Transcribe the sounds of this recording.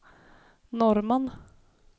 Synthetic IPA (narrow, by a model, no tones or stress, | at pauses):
nɔɾmən